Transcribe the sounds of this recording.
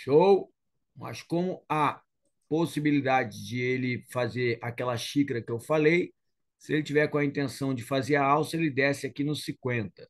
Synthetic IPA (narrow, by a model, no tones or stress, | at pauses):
ʃow | mɐ̰skõmʊa | posibilid̪ad͡ʒɪd͡ʒɪelɪfazeɾakɛlɐʃikɾɐkɪewfalej | sɪelɪt͡ʃivɛɾkõɐĩnt̪ẽsɐ̃w̃d͡ʒɪfazeɾaawsɐelɪd̪ɛsɪakinʊsĩkwẽnt̪ɐ